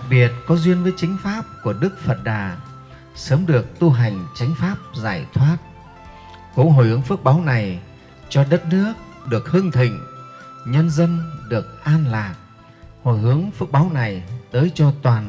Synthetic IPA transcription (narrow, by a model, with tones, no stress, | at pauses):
k̚ɓi˨˩ət̚kɔ˨˦zwi˧ənvəː˨˦jt͡ɕa˨˦ŋ̟faː˦˥p̚ku˧˩əɗɨ˦˥k̚fə˨˩t̚ɗaː˨˩ | səː˨˦mɗɨ˨˩ək̚t̪u˧ɦa˨˩jŋ̟t͡ɕa˨˦jŋ̟faː˦˥p̚zaː˧˩jt̪ʰwaː˦˥t̚ | ko˨˦ɦo̰˨˩jhɨ˨˦əŋfɨ˦˥k̚ɓaː˨˦wna˨˩j | t͡ɕɔ˧ɗə˦˥t̚nɨ˦˥ək̚ | ɗɨ˨˩ək̚hɨ˧əŋt̪ʰï˧˩ŋ̟ɲə˧nzə˧nɗɨ˨˩ək̚ʔaː˧nlaː˨˩t̚ | ho˨˧˩jhɨ˨˦əŋfɨ˦˥k̚ɓaː˨˦wna˨˩jt̪əː˨˦jt͡ɕɔ˧t̪waː˨˩n